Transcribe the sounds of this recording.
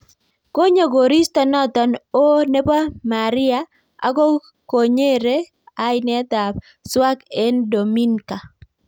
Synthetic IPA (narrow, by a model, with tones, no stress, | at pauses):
ko˦ɲa˨ɡo˨ɾi˦st̪ɔ˦nɔ˦t̪ɔ˨no˦ne˦pa˦ma˨ɾɪ˦a˦ | a̰˨˦ɡo˦ | ko˨ɲe˦ɾe˦ | a˦jɪnɛ˦t̪a˨p | swa˦ke˦ndo˨mi˦nka˨